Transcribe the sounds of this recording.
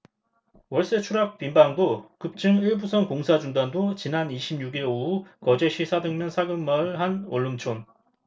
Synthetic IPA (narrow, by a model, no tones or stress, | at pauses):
wʌɭs͈et͡ɕʰuɾak̚p͈imbaŋdokɯp̚t͡ɕ͈ɯŋiɭbusʰʌŋkoŋsʰad͡ʑuŋdandot͡ɕinaniɕʰimɲuɡiɭoukʌd͡ʑe̞ɕʰisʰadɯŋmjʌnsʰaɡɯmːʌɭhanoɭːumt͡ɕʰon